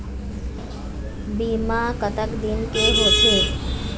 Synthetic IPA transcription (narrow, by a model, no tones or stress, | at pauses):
bimakət̪əkd̪inkeɦot͡ʃʰe